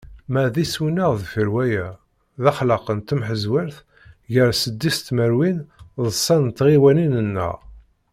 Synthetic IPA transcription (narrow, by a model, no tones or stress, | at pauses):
mæðiswinəʁðfəɾwæjæ | ðɑχlɑqənt̪əmħəzwəɾθ | ʝəɾsəd̪ːist̪məɾwinðˤəsˤːɑnt̪ːʁiwæninənːə̰ʁ